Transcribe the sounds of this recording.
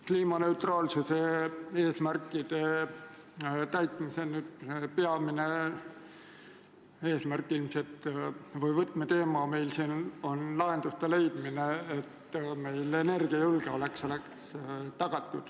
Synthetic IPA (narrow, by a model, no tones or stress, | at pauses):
kliːmɑne̞wt̪rɑːlsusee̞ːsmærkːˑid̪̥e̞ | t̪æjt̪ˑmisenyːd̪̥sepe̞ɑmine | e̞ːsmærkˑːilmset̪ːvɯjvɤt̪met̪e̞ːmɑme̞jlsiːno̞nlɑɦe̞nd̪̥ust̪ele̞jd̪̥mineet̪ːme̞jle̞ne̞rɡ̥iɑjulɡ̥eo̞le̞kso̞lekst̪ɑɡ̥ɑt̪ːˑud̪̥